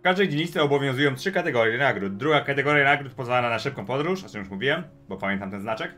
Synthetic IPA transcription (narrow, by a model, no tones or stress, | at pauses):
fkaʐd̪ɛjd͡ʑeɲist̪sɛɔbɔvʲjɔ̃w̃zujɔ̃w̃tʂɘkat̪ɛɡɔɾjɛnaɡɾud̪̚d̪ɾuɡakat̪ɛɡɔɾjanaɡɾut̪̚pɔzvalalanaʂɘp̚kɔ̃w̃pɔd̪ɾuʂɔt͡ʂɛmjuʂmuvʲiwɛm | bɔpamʲjɛnt̪amt̪ɛnznat͡ʂɛk